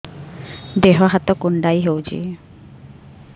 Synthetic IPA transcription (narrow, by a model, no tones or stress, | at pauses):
d̪eɦɔɦat̪ɔkuɳɖajɦewt͡ʃʰḭ